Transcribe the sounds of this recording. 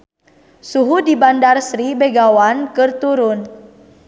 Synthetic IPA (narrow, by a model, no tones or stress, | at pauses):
suɦudibandarsɾibeɡawankɨrt̪uɾʊn